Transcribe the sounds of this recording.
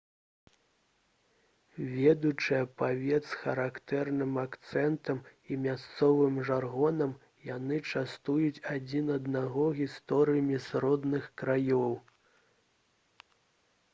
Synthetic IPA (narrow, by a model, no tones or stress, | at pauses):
vʲɛd̪ut͡ʂɨjɐpavʲɛt̪sxɐɾakt̪ɛrnɨmakt̪sɛnt̪ɐmimʲast̪sɔvɨmʐarɣɔnɐm | jan̪ɨt͡ʂast̪ujut͡sʲad͡zʲinɐd̪naɣɔɣʲist̪ɔɾɨjɐmʲisɾɔd̪nɨxkɾajɔw